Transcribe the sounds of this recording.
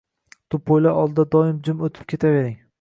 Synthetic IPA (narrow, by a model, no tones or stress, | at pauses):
t̪ʰʊpʰojlaʔɒlˠd̪ad̪ɒɪmd͡ʒɪmot̪ʰɪ̥p̚kʲʰe̞t̪ʰave̞ɾɪŋ